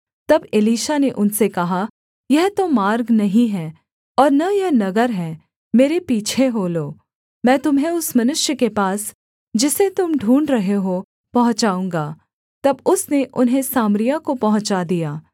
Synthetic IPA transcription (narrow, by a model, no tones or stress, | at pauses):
t̪ɐbɪliːʃaneʔʊnsekɐɦa | jɛɦt̪omaːɾɡnɐɦĩɦɛ̃ː | ɔːɾnɐjɐɦnɐɡəɾɦɛ̃ː | meːɾepiːt͡ʃʰeɦoːloː | mɛ̃ːt̪ʊmɦẽʊsmɐnʊʃjəkepaːs | d͡ʒɪset̪ʊmɖʱuːɳɖɾɐɦeɦo | pɐɦʊ̃t͡ʃaːũːŋɡaː | t̪ɐbʊsneʔʊnɦẽsaːmɾijakopɐɦʊ̃t͡ʃad̪ijaː